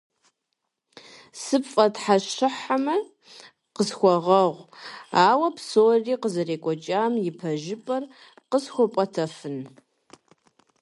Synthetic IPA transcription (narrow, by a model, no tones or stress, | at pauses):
sɨpfʼɐtħaɕɪħamɐ | qəsxʷɔʁɐʁʷaːwɐpsoːriːqəzɐreːkʷʼɔt͡ʃʼaːmjɪpʰɐʒɪpʼɐr | qəsxʷʊpʷʼɐtʰɐfɨn